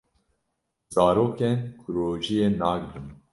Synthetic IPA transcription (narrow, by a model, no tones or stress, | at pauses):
zɑːɾoːkɛnkʰuɾoːʒijeːnaːɡd̪ɨm